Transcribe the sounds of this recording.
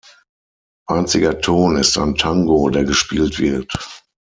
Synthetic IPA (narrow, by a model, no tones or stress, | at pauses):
ʔaɪnt͡sɪɡɐtʰoːnɪsta̰ɪntʰaŋɡoːdeːɐɡəʃpiːltv̥ɪɐt